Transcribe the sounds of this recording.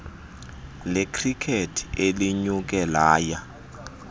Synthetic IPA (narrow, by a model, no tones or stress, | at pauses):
lɛkʰrikʰetʰieliɲuk̬ʼɛlaːja